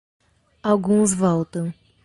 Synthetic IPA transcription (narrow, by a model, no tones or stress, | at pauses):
awɡũzvɔwt̪ɐ̃w̃